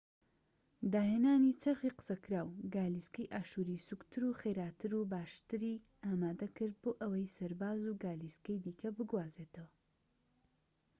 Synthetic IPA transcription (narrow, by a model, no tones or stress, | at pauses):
d̪aːɦeːnaːnit͡ʃʰɐxiːqɨ̥sɐkʰɾaːwɡaːliskɐjʔaːʃuːɾisukt̪ʰɨɾuxeɾaːt̪ʰɨɾubaːʃt̪ɨɾiː | aːmaːd̪ɐkɨɾd̪̚boːʔɐwɐjsɐɾbaːzuɡaːliskɐjd̪iːkʰɐbɨɡwaːzeːt̪ʰɐwɐ